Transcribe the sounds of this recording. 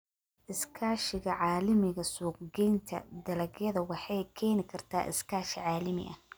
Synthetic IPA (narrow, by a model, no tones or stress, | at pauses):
ʔɪskʰaːʃɪɣɐʕɑːlɪmɪɣɐsuːq̚ɡɛjnt̪ʰɐ̰d̪ɐlɐɡjɐðɐwɑħɑjkʰɛːnɪkʰɐrt̪ʰaːʔɪ̰skʰaːʃɪʕɑːlɪmɪ̰ʔɐ̰